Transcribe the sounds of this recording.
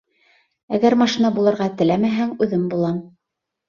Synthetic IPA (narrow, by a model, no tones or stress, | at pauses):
æɡæɾmɑʃinɑbulˠɤ̆ɾʁɑt̪ɘ̆læmæɦæŋʉðɘmbulˠɑm